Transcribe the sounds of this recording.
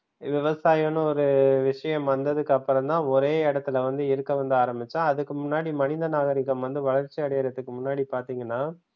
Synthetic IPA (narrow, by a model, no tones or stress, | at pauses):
ʋɪʋɐsaːjɐnɯ̃ɔɾɯʋɪʂɐjɐmʋɐnd̪ɐðɯkːɐpːɯɾɐmd̪ãːɔɾeːɛɽɐt̪ːɪlɐʋɐnd̪ɯɪɾɯkːɐʋɐnd̪ɯaːɾɐmbɪt͡ʃːãːɐðɯkːɯmʊnːaːɽimɐnɪnd̪ɐnaːɣɐɾɪkːɐmʋɐnd̪ɯʋɐɭɐɾt͡ʃiɐɽɐjɐɾɐt̪ːɯkːɯmʊnːaːɽipaːɾt̪iːŋɡɐnːaː